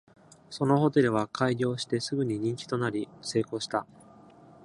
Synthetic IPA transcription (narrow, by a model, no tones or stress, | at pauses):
so̞no̞ho̞t̪e̞ɾɯ̟β̞akʰaiɡʲo̞ːɕi̥t̪e̞sɨɡɯ̟ɲ̟iɲ̟ĩɲ̟t͡ɕi̥t̪o̞naɾʲise̞ːko̞ːɕi̥t̪a